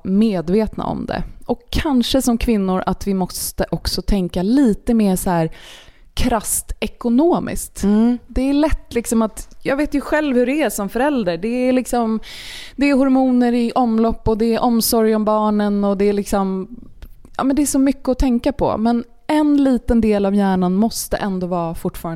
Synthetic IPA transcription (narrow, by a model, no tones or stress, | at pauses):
meːd̪veːt̪na̰ɔ̰md̪ɛ̰ʔɔkʰːanʂəsɔmkʰvɪnːʊɾʔat̪vɪmɔst̪əʔɔksɔt̪ʰɛŋkaliːt̪əmeːsɔhæːɾ | kʰɾast̪ɛkʊnoːmʔɪ̰skt̪d̪ɛːɭɛt̪ːlɪksɔmat̪jɑːɡveːt̪jɵɧɛlvhɵɾɛæʂɔmfœɾɛld̪əɖɛːlɪksɔmd̪ɛːɾɦɔɾmuːnəɾɪʔɔmlɔpːɔd̪ɛːɾʔɔmsɔɾjɔmbɑːɳənɔd̪ɛːlɪksɔm | jɑ̰ːmɛnd̪ɛːʂɔmʏkːəɔt̪ʰɛŋkapʰɔ̰mɛn | ɛnliːt̪ənd̪eːlavjæːɳanmɔst̪ə̰ʔɛnd̪oːvɑːfʊʈːfɑːɾa